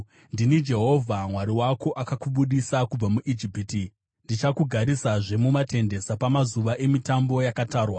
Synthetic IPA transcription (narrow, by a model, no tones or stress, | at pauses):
ndinid͡ʒe̞ɦo̞vʱamwaɾiwako̞ʔakakuɓuɗisakub͡vamuʔid͡ʒipti | ndit͡ʃakuɡʱaɾisaʐe̞mumate̞nde̞sapamazuʋaʔe̞mitambo̞jakataːrwa